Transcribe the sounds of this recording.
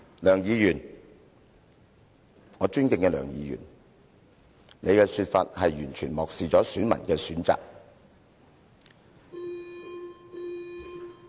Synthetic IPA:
lœː˨˩ŋjiː˨˧jyː˨˩n | ŋɔː˨˧t͡ʃyː˥nkɪ˧ŋkɛː˧lœ̰ː˨˩ŋjiː˨˧jy̰ː˨˩n | ne˨˧jkɛː˧syː˧t̚fa̰ː˧t̚hɐ˨jjyː˨˩nt͡ʃʰyː˨˩nmɔː˨k̚siː˨t͡sɔː˨˥syː˨˥nmɐ̰˨˩nkɛː˧syː˨˥nt͡sa̰ː˨k̚

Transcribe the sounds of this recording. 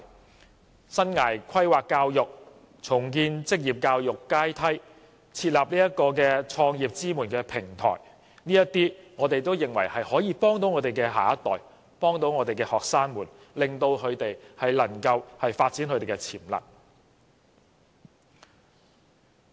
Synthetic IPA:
sɐ˥nŋaː˨˩jkʰɐ˥jwaː˨kːaː˧wjʊ˨k̚ | t͡sʰʊ˨˩ŋkiː˧nt͡sɪ˥k̚jiː˨˩p̚kaː˧wjʊ˨˩kːaː˥jt̪ʰɐ˥j | t͡sʰiː˧t̚laː˨p̚niː˥jɐ˥t̚kɔː˧kɛː˧t͡ʃʰɔː˧ŋjiː˨p̚t͡siː˥muː˨˩nkɛː˧pʰɪ˨˩ŋt̪ʰɔ̰ː˨˩j | niː˥jɐ˥t̪iː˥ŋɔː˨˧t̪e˨jt̪o˥wjɪ˨ŋwɐ˨˩jhɐ˨jhɔː˨˥jiː˨˧pɔː˥ŋt̪o˨˥wŋɔː˨˧t̪e˨jkɛː˧ɦa̰ː˨ɐ˥t̪ːɔː˨˩j | pɔː˥ŋt̪o˨˥wŋɔː˨˧t̪e˨jkɛː˧hɔː˨k̚saː˥nmuː˨˩n | lɪ˨˩ŋt̪o˧wkʰɵ˨˧ɥt̪e˨jhɐ˨jlɐ˨˩ŋkɐ˧whɐ˨jfaː˧t̚t͡si˨˥nkʰɵ˧t̪e˨jkɛ˧t͡sʰiː˨˩mlɐ̰˨t̚

